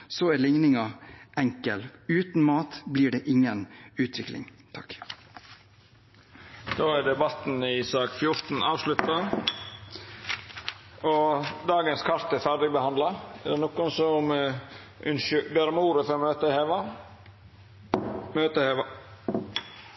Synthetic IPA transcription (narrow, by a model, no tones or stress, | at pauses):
sɔælɪŋnɪŋɑɛŋkəlʉːt̪n̩mɑːt̪bliːɖeːʔɪŋːənʉːt̪ʰʋɪklɪ̰ŋt̪ʰɑk | d̪̥oːæɾɖ̪ɛbɑt̪n̩ɪsɑːkfjʊɾt̪n̩ʔɑːʋʂlʉt̪ɑ | ɔd̪ɑːɡənskʰɑɾt̪ɛɾfæɾɖɪbəhɑnd̪lɑæɖ̪ɛnɔkːʊnsɔm | ʔʉnʃbeɾmuːɾəfɔɾmøːt̪əheːʋɑ | møːt̪əheːʋɑ